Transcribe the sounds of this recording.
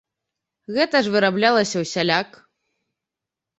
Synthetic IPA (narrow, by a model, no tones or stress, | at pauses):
ɣɛt̪ɐʐvɨɾablʲalˠɐsʲɐwsʲalʲak